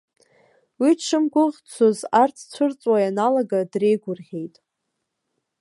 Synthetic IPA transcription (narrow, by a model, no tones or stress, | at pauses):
wiʈ͡ʂʰɨmɡʷʊʁt͡sʷʰozart͡sʰt͡ɕʷʰɨrt͡sʼwajanalaɡadre̞jɡʷʊrʁʲe̞jtʼ